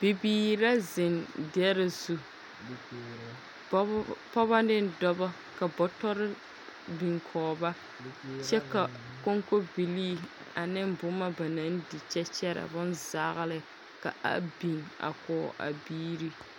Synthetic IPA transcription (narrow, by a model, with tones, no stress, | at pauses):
b̥i˨biː˨ɾa˦zɪ˨ndɛ˦ɾɪ˦zu˨˦ | pɔ˦ba˦dɪ˦n˦dɔ˦ba˦ | ka˨bɔ˨tɔ˦ɾɪ˦ | bi˨ŋkʰɔː˨ba˦ | t͡ʃɛ˦ka˨ | ko˦ŋko˦bi˨liː˦ | a˨nɪ˦mbʊ˨˦ma˦ba˨na˨˦n˦di˨t͡ʃɛ˦t͡ʃɛ˦ɾa̰˨bʊ˦nzaː˦ɣɪ˦lɪ˦ | ka̰˨a̰˦bi˨ŋa̰˨kɔː˨ʔa̰˨biː˦ɾi˦